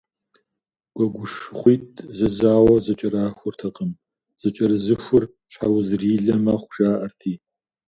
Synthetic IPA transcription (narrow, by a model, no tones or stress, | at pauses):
ɡ̥ʷʼɔɡʷʊʂχʷiːtʼʰzɐzaːwɐzɐt͡ʃʼɐɾaːxʷʊrtʰɐqəm | z̥ɐt͡ʃʼɐɾɨzɨxʷʊr | t͡ʃħawzriːɮɐmaːχʷʊʒaːʔɐrtʰiː